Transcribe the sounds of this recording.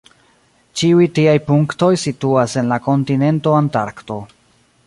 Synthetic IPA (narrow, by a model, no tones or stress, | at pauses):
t͡ʃiujtiajpuŋkto̞jsituase̞nlako̞ntine̞nto̞antaɾkto̞